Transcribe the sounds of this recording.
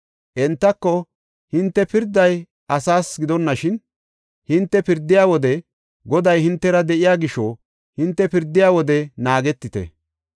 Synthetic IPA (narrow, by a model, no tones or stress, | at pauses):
ʔɛnt̪ːɐkːɔ | hɪnt̪ːɛpɪɾd̪ːɐj | ʔɐsaːsɡɪd̪ɔnːɐʃɪn | hɪnt̪ːɛpɪɾd̪ːɪjaːwɔd̪ɛ | ɡɔd̪ɐjhɪnt̪ːɛɾɐd̪ɛʔɪjaːɡɪʃo | hɪnt̪ːɛpɪɾd̪ːɪjaːwɔd̪ɛnaːɡɛt̪ːɪt̪ɛ̰